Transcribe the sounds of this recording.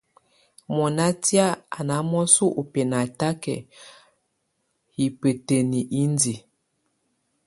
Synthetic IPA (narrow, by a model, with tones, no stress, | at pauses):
mɔ˨na˦ti˦a˦a˨na˨˦mɔ˦su˦ʔu˨pe˨na˨ta˦kɛ̰˨ | hi˨pe˨te˨ni˨ʔi˦ndi˨